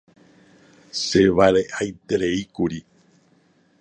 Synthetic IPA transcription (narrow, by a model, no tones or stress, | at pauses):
seʋaɾeʔajt̪eɾe̞ikuɾi